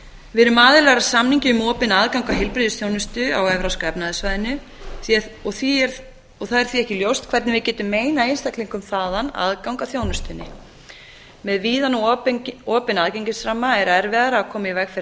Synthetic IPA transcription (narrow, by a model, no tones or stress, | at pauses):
vɪɾʏmaːðɪlɛɣɾḁsamniɲcɪʏmɔːpɪnaðkawŋkaɦɪlpɾiðɪsθjownʏst̪ʏa̰wɛvɾawskɛpnaðɪsvaːjðɪnːʏ | θɔθiɛɾ | ɔɣθaðɛɾ̥θviɛhcɪljowst̪kʰvɛɾt̪nɪvɪðcɛːt̪ʏmːeːjnaenst̪ahkliŋkʏmθaːðana̰ðkawŋkaθjoːwnʏst̪ʏnːɪ̰ | mɛðviːðan | ɔːpɪnaðceɲcɪsɾamːaɛɾɛɾvɛðaɾaakʰɔːmaivɛkfɪ